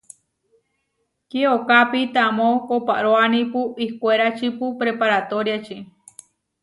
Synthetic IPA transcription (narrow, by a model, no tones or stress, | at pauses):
kieokapit̪amokopa̰ʔɾoanĩpuihkʷeɾat͡ʃipupɾepaɾat̪oɾjat͡ʃi